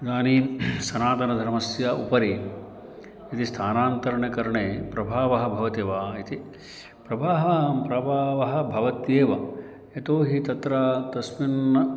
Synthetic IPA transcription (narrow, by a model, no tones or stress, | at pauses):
d̪aːnisɐnaːt̪ɐnɐd̪ʱɐɾmɐsjaʔupɐɾi | it̪ist̪ʰaːnaːnt̪ɐɾɐɳjɐkɐɾɐɳeːpɾɐbʱaːʋɐɦɐ̆bʱɐʋɐt̪eːʋaːit̪i | pɾɐbʱaːɦʋaːmpɾɐbʱaːʋɐɦɐ̆bʱɐʋɐt̪jeːʋɐ | et̪oːɦit̪ɐt̪ɾaːt̪ɐsminːɐ